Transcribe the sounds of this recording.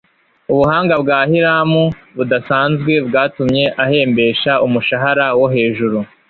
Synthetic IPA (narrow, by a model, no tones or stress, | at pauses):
uβuhaːŋɡabɡaːhiɾaːmuβudasaːnzɡwe̞bɡaːtumɲe̞ʔahe̞ːmbe̞ːʃaumuʃaɦaɾawo̞ɦe̞ːʒuɾu